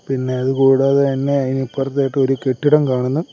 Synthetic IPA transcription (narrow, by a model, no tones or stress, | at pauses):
pinːe̞ɐðɨkuːɽaːðeɐnːeɐinipːurɐt̪ːajʈːɨoɾuke̞ʈːiɽɐmkaːɳunːu